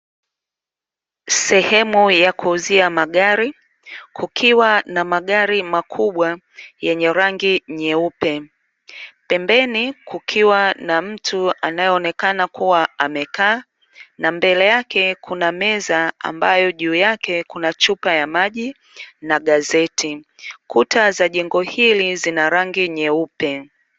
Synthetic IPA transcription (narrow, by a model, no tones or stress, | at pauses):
sɛhɛmujakʰuːziamaɠaɾi | kʰukʰiwanamaɠaɾimakʰuɓwa | jɛɲɛɾaŋɡiɲɛupɛ | pɛmbɛnikukʰiwanam̩tʰua̰najɛːnɛkanakuwaamɛkaː | nambɛlɛjakɛkʰunamɛzaa̰mbajɔʄuːjakɛkunat͡ʃupajamaʄi | naɠazɛtʰikutʰazaʄɛŋɡɔhilizinaɾaŋɡiɲɛupɛ